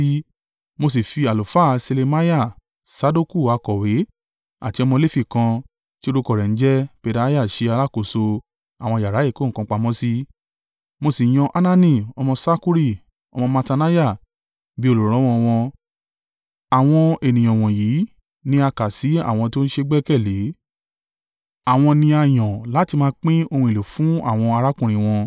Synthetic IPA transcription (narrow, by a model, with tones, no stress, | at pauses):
i˦ | mo˧s̬i˨fi˧a˨lu˨fa˨˦˧se˧le˧ma˦ja˦˨ | sa˧do˦ku˦˨a˧kɔ˨we˨˦ | a̰˨ti˧ɔ˧mɔ̃˧le˦fi˦˨kã˧ | ti˦o˦˧ɾu˧kɔ˨ɾɛ˨n̩˨˦d͡ʒɛ˦pe˧da˨˧˦ja˦˨ʃe˧a˧la˦ko˨so˧ | a˨w̃ɔ̃˧ja˨ɾa˨˦i˦˨ko˦˨˦kã˧˦k͡pa˧mɔ̃˦si˦ | mo˧si˨j̃ɔ̃˧ʔa˦nã˦nĩ˧˨ɔ˧mɔ̃˧sa˦ku˧ɾi˦˨ | ɔ̰˧mɔ̃˧mã˧ta˧na˦ja˦˨ | bi˦o˦˧lo˨ɾ̃ɔ̃˨˦ɔ̃˧w̃ɔ̃˧ | a˨w̃ɔ̃˧e˨nĩ˨j̃ɔ̃˨w̃ɔ̃˨jiː˨˦ | nĩ˦a˧ka˨si˨˦a̰˦˨w̃ɔ̃˧to˦n̩˦ʃe˧ɡ͡bɛ˦kɛ˦˨le˨˦ | a˨w̃ɔ̃˧nĩ˧a˧j̃ɔ̃˨la˨˦ti˧mãː˧˦k͡pĩ˦o˧hũ˧i˨lo˨fũ˨˦a̰˦˨w̃ɔ̃˧a˧ɾa˦kũ˦˨ɾ̃ĩ˨w̃ɔ̃˧